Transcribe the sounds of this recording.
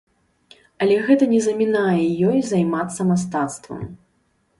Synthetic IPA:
ɐlʲɛɣɛt̪ɐnʲɛzɐmʲinajɛjɔjzajmat̪sːɐmast̪at̪st̪vɐ̰m

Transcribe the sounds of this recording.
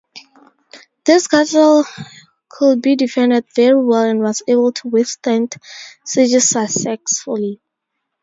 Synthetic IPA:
ðɪsɡatəl | kʰud̚bidifɛ̃ndɛdvɛɹiwɛlɛ̃nwɔzebəlˠtʰuwɪθtɛ̃ndsid͡ʒisasɛksfuli

